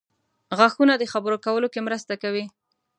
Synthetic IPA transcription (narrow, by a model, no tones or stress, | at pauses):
ɣaxunad̪əxabəɾokawəlokemɾəst̪akawi